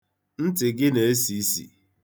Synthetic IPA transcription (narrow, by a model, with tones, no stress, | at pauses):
n̩˦tɪ˨ɡɪ˦ne˨e˦si˦sḭ˨